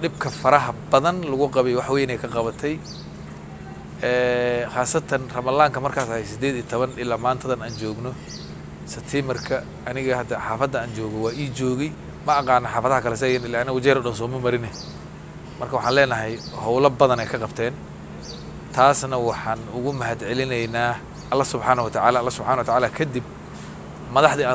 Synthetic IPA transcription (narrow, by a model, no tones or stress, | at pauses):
ɖɪb̚kʰɐfɐɾɐɦɐbɐðɐnlʊɣʊqɑβɛjwɑħwɛːjnɛjkʰɐqɑβɐt̪ʰɛj | ɛːχaːsɐt̪ʰɐnrɐmɐlaːŋkʰɐmɐrkʰaːsɐhɛjsɪd̪ɛːd̪iːt̪ʰɔβɐnɪlaːmaːnt̪ʰɐðɐnaːnt͡ʃɔːɡnɔ | sɛbt̪ʰɪmbɐrkʰɐ | ɐnɪɣɐhɐd̪ɐħaːfɐd̪ːɐaːnt͡ʃɔːɣɔwɑːʔiːt͡ʃɔːɣɛj | mɐʔɑqɑːnɐħaːfɐðɐɦɐkʰɐlɛs̬ɐjɛnɪlːaːɪnɐɣʊt͡ʃɛːɾɔɖɐns̬ɔːmɐmɐɾɪnɛ | mɐrkʰɐwɑħãːnlɛːnɐɦɛj | hɔwlɐbɐðɐnɛjkʰɐqɑbt̪ʰɛːn | t̪ʰaːsnɐwɑħɑːnʊɣʊmɐɦɐd̪ʕɛlɪnɛjnaː | ɐlːɐhsʊbħaːnɐwɐt̪ʰaʕaːlalːɐsʊb̥ħaːnɐwɐt̪aʕaːlaːkʰɐd̪ɪb | mɐðɑħd̪iːa